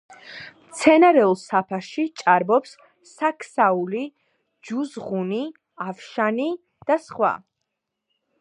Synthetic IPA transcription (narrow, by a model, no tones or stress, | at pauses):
mt̪sʰɛnaɾɛulˠsapʰaʃit͡ʃʼaɾbɔpsː | akʰsauli | d͡ʒuzʁuni | afʃani | d̪̥asχwa̰